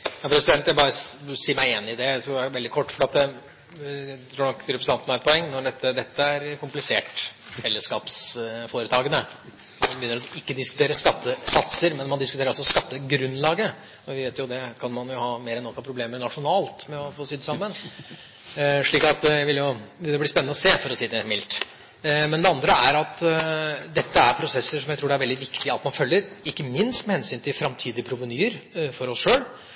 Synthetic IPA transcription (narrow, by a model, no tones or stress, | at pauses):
jɑpʰɾɛsɪd̪ɛnt̪jæɪbɑːɾəsiːmæɪɪnːɪd̪ɛsɔʋɛld̪ɪkʰɔʈːfɔɖɑt̪ə | t̪ʰɾuːɳɔkːɾɛpɾs̩ɑnt̪nɔæɾɛt̪pʰɔɛŋːnɔɖɛt̪ːəd̪ɛt̪ːəæɾkʰʊmplɪseːʈfɛlːəskɑ̰ːpsfoːɾət̪ʰɑːɡənə | nbjʏnəɾɔɪkːəd̪ɪskʉt̪ʰeːɾəʂkɑt̪ːəsɑt̪səɾmɛnmɑnd̪ɪskʉt̪eɾɔsɔskɑt̪ːəɡɾʉnːlɑːɡə | ɔʋɪʋeːt̪jʊd̪ɛkʰɑnmɑnjʊhɑːmeːɾɛnːɔkːɑpʰɾʊbleːmənɑʂʊnɑːlt̪mɛɔfoːsyːd̪əsɑmːən | ʂɭiːkɑt̪æɪʋɪljʊjʏnəɾɔblɪspɛnːnɔseːfɔɾɔsiːd̪ɛmɪlt̪ | mɛnd̪ɛɑnd̪ɾəæɾɑt̪ | d̪ɛt̪ːəæɾpʰɾʊsɛsːəʂɔmjæɪt̪ɾuːɖæɾʋɛld̪ɪʋɪkt̪ɪɑt̪mɑnfœlːəɾɪkːəmɪnst̪mɛhɛnsyːnt̪ʰɪlfɾɑmt̪ʰiːd̪ɪəpʰɾʊʋənyːəɾfɔɾɔsʂøːl